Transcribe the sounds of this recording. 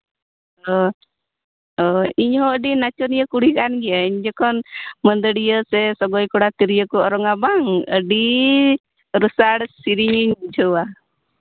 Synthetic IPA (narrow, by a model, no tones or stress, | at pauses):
ɔ | ɔiɲɦɔəɖinat͡ʃɔnijəkuɽikanɡiaiɲd͡ʒɔkɔnmənd̪əɽijəsɛsɔɡɔjkɔɽat̪iɾijəkɔɔɾɔŋabaŋə̰ɖi | ɾusaɽsiɾiɲiɲd͡ʒɔwa